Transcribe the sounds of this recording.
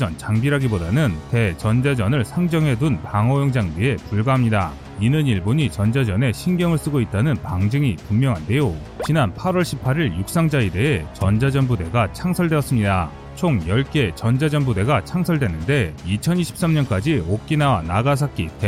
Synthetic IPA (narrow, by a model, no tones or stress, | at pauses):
d͡ʑʌnt͡ɕaŋbiɾɦaɡibodanɯnte̞t͡ɕʌnd͡ʑad͡ʑʌnɯɭsʰaŋd͡ʑʌŋɦe̞dunpaŋʌjoŋd͡ʑaŋbie̞puɭɡaɦamɲida | inɯniɭbuɲit͡ɕʌnd͡ʑad͡ʑʌne̞ɕʰinɡjʌŋɯɭs͈ɯɡoit̚t͈anɯnpaŋd͡ʑɯŋipummjʌŋɦande̞jo | t͡ɕinanpʰaɾwʌɭɕʰipʰaɾiɭjuk̚s͈aŋd͡ʑaede̞et͡ɕʌnd͡ʑad͡ʑʌnbude̞ɡat͡ɕʰaŋsʰʌɭdweʌs͈ɯmɲida | t͡ɕʰoŋjʌɭk͈e̞t͡ɕʌnd͡ʑad͡ʑʌnbude̞ɡat͡ɕʰaŋsʰʌɭdwe̞nːɯnde̞it͡ɕʰʌniɕʰi̥p̚s͈amɲʌnk͈ad͡ʑiok̚k͈inawanaɡas̬ʰak͈itʰe